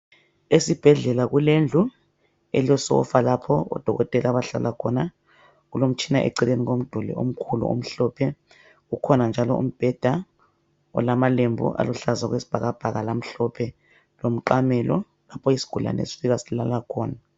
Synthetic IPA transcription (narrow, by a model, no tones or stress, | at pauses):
esib̥ʱɛɮɛlaɣulend͡ɮʱu | ɛliɔsɔ̰falapʰɔɔ̰d̥ʱɔɣɔtʼɛlaβaɬa̰lʔakʰɔna | ɣulom̩t͡ʃʰinaʔḛǀileniɣom̩d̥ʱulḭom̩kʰulṵʔo̰m̩ɬɔpʰɛ | ɣukʰɔnand͡ʒʱalɔṵm̩b̥ʱɛd̥ʱa | ɔ̰lamalembʱṵʔa̰luɬazaɣwesi̥b̥ʱaɣab̥ʱaɣalam̩ɬɔpʰɛ | lom̩ǃamɛlɔ | lapʰɔjisi̥ɡ̥ʱula̰nḛsi̥fiɣasilalakʰɔːna